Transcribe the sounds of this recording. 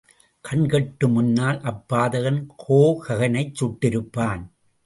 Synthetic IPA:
kʰɐnkɐʈːɯmʊnːaːlʔɐpːaːðɐɣɐnkʰoːkɐɣɐnɐɪt͡ʃːʊʈːɪɾɯpːaːn

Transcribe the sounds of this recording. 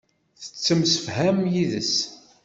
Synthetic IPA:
θə̥t͡sːəmsə̥fhæmjiðə̰s

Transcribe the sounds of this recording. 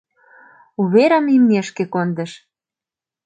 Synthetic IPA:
uβeɾəmimnʲeʃkekond̪ə̆ʃ

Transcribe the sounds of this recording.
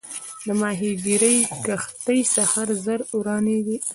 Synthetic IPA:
d̪əmɑɦiɡiɾəjkaxt̪əjsahaɾzəɾuɾɑnid̪i

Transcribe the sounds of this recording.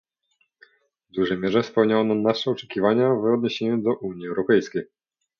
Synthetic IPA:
vd̪uʐɛjmʲjɛʐɛfspɛwɲawɔnanaʂɛɔt͡ʂɛ̥kʲivaɲavɔd̪̚ɲeɕeɲud̪ɔʔuɲiɛwɾɔpɛjskʲej

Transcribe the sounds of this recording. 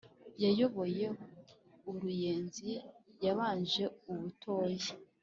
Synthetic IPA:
jajo̞βo̞je̞ | uɾuje̞ːnzijaβaːnd͡ʒe̞uβutʰo̞ːji

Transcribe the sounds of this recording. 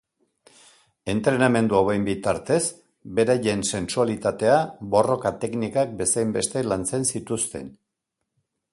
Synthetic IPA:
e̞nt̪ɾe̞name̞nd̪uawejmbit̪aɾt̪e̞z | be̞ɾaʎe̞nse̞nsualit̪at̪e̞abo̞ro̞kat̪e̞knikak̚be̞sajmbe̞st̪e̞lant͡se̞nsit̪ust̪e̞̰n

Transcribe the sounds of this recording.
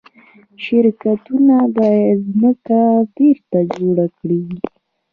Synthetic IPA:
ʃɪɾkat̪unad̪ɑjzməkabeɾt̪ad͡ʒoɽakɽeɡi

